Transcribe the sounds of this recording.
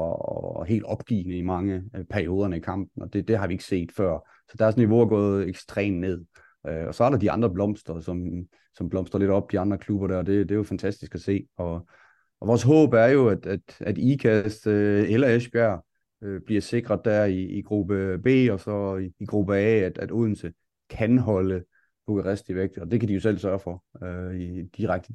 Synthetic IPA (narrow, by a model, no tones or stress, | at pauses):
ɒ̰ɦe̝̰ːld̥ɒ̽b̥ɡ̥ḭːnəimɑ̈ŋəpʰæɐio̝ːð̞ˠɐnəikʰɑ̈m̰b̥̚n̩ɒ̽d̥e̝d̥e̝ɦɑ̈ʋie̝ɡ̥ə̥se̝̰ːd̥fɶɐ̰ | sɒ̽d̥ɑ̈æɐsnːiʋo̝æɡ̥ɔ̰̽ːðˠeɡ̥sd̥ʁɛ̰ːmne̝ð̞̰ˠ | ɒ̽sɒæɐɾ̥ɑ̈d̥iɑ̈nd̥ʁɐb̥lɒ̽m̰sd̥ʁɐsɒ̽m | sɒ̽mb̥lɒ̽m̰sd̥ɐle̝dɒ̽b̥̚d̥iɑ̈nd̥ʁɐkʰlub̥ɐɾæɐːd̥e̝d̥e̝jo̝fænt͡sʰæsd̥isɡ̥æse̝̰ːɒ̽ | ʔɒʋɒːsɦɔ̰ːb̥æɐjo̝æd̥æd̥æd̥ikʰæsd̥elɐeɕb̥æɐ̰ | øb̥liɐse̝ɡ̥ʁɐðˠd̥æɐ̰iːɡ̥ʁub̥əb̥e̝̰ːɒ̽sɒ̽iːɡ̥ʁub̥əɛ̰ːæd̥æd̥uðˠn̩sə | kʰænɦɒ̽lə | b̥okæʁesd̥iʋeɡ̥̚d̥ɒ̽d̥e̝kʰædijo̝sel̰sɶɐfɒ̽øid̥iʁaɡ̥̚d̥ə